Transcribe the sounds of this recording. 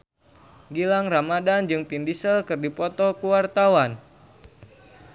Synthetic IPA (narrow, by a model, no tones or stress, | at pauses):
ɡilaŋramadand͡ʒɨŋpindisəlkɨrdipɔt̪ɔkuwart̪awan